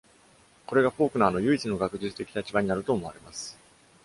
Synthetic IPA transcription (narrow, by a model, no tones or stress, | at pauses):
ko̞ɾe̞ɡaɸo̞ːkɯ̟naaːno̞jɯ̟it͡sɨno̞ɡakɯ̟ʑɨt͡sɨ̥t̪e̞kʲi̥t̪at͡ɕibaɲ̟inaɾɯ̟t̪o̞ːmo̞aɾe̞masɨ̥